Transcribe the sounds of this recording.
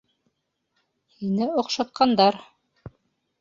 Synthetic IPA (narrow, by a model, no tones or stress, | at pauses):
hinɘŏqʃɑt̪̚qɑnd̪ɑɾ